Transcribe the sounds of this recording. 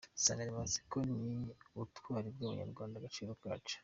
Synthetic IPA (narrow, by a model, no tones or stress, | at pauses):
sa̰ːŋɡaɾimansi̥koniutwaːɾib̚ɡuːmṵɲa̰ɾɡwaːndaɡat͡ʃiːɾoka̰ːt͡ʃe̥